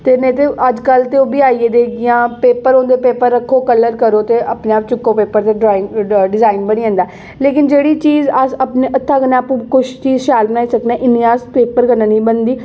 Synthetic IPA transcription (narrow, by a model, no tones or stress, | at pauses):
t̪eːnẽːt̪eːəd͡ʒkəlt̪eːoːbiːaːiːeːd̪eːɡɪjãːpeːpəɾõːnd̪eːpeːpəɾːəkʰːoːkələɾkəɾoːt̪eːəpnẽːaːp̚t͡ʃʊkːoːpeːpəɾt̪eːɖɾaːɪŋɖɪzaːɪnbəɽ̃iːə̃ːnd̪aː | leːkɪnd͡ʒeːɽiːt͡ʃiːzəsəpnẽːʔət̪ʰːãːkənẽaːpũːkʊʃt͡ʃiːzʃaːlbənaːiːsəknɛ̃ːʔɪnːiaːspeːpəɾkənãːnĩːbənd̪iː